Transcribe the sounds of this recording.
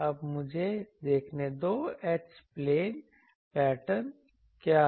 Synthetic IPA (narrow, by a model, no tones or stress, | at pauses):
ɐbmʊd͡ʒʱed̪eːkʰned̪oːeːt͡ʃspleːn | pɛːʈən | kjaː